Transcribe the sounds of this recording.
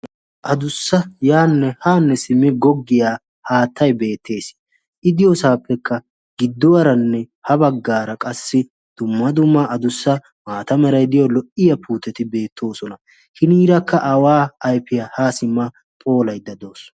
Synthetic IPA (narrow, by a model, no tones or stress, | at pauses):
ʔɐd̪ʊsːɐjaːnːɛhaːnːɛsɪmːɪɡɔɡːɪjaː | haːt̪ʰːɐjbe̞ːt̪ʰːe̞ːs | ʔɪd̪ɪjɔsaːpːɛkʰːɐ | ɡɪd̪ːɔwɐɾɐnːɛ | hɐbɐɡːaːɾɐkʼɐsːɪ | d̪̥ʊmːɐd̪ʊmːɐʔɐd̪ʊsːɐ | maːt̪ɐmɛɾɐjd̪ɪjɔlɔʔɪjɐpʰuːt̪ːɛt̪ɪbe̞ːt̪ʰːo̞ːsɔnɐ | hɪniːɾɐkʰːɐʔɐwaːɐjpːɪjahaːsɪmːɐ | pʼo̞ːlɐjd̪ːɐd̪o̞ːs